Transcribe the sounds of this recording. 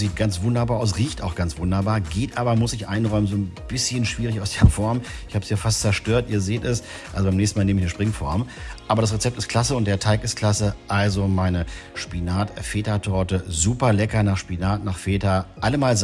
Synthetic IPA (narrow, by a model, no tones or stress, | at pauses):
ziːt̚ɡ̥ant͡sv̥ʊndɐbaːɐʔaʊsʁiːçtaʊxɡ̥ant͡sv̥ʊndɐbaːɐɡeːtʔaːbɐmʊsɪçʔaɪnʁɔʏmənzoːnb̥ɪsçənʃv̥iːʁɪçaʊsd̥eːɐfɔɐmɪçhaːbəsjaːfastt͡sɛɐʃtøːɐtʔiːɐzeːtɛs | ʔalzobaɪmnɛçsn̩maːlneːmɪçnəʃpʁ̥ɪŋfɔɐmʔaːbɐɾasʁet͡sɛp̚tɪstkʰl̥asəʊnt̚d̥eːɐtʰaɪkɪstkʰl̥asəʔalzomaɪnəʃpinaːtfeːtɐtʰɔɐtəzuːpɐlɛkɐnaːχʃpinaːtnaːχfeːtɐʔaləmaːlz